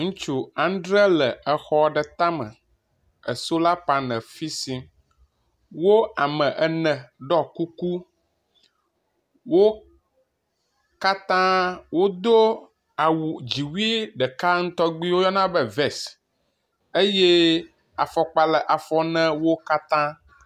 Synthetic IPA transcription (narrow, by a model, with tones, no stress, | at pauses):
ŋũ˦t͡ʃu˦ã˨n˦ɖɾɛ˦lɛ˨ə˨xɔ˦ɖɛ˨t̪ã˦mə̰̃˨ | ə˨so˦la˦pa˨nɛ̃˨fi˦sĩ˦ | wo˦a˨mɛ̃˨ʔɛ˨nɛ̃˨ɖɔ˦ku˦ku˦ | wo˦ | ka˦t̪ã˦wo˦d̪o˦ | a˨wu˨d͡ʑi˨wi˦ɖɛ˨ka˦ŋ̩˦t̪ɔ˦ɡ͡bi˦wo˦jɔ˦nã˦bɛ˦vɛ˨s | e˦je˦ | a˨fɔ˨k͡pa˨lɛ˨ʔa˨fɔ˦nɛ̃˦wo˦ka˦t̪ã˦